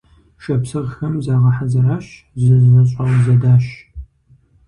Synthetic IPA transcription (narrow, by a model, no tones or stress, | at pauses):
ʃɐpsɨʁxɐmzaːʁɐħazɐɾaːɕ | zɐzɐɕʼɐwzɐdaːɕ